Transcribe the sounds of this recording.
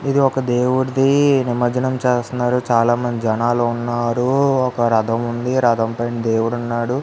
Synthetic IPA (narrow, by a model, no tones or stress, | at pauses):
id̪iɔkɐd̪eːwuɽd̪inimɐd͡ʒɐnɐmt͡ʃeːst̪unːaːɾut͡ʃaːlaːmɐnd̪id͡ʒɐnaːlounːaːɾuɔkɐɾɐd̪ʱɐmund̪iɾɐd̪ɐmpɐjnd̪e̞ːwuɽunːaːɽu